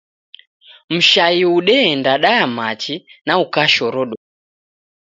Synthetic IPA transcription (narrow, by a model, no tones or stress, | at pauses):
m̩ʃaiuɗɛɛndaɗajamat͡ʃinaukaʃɔɾɔɗɔ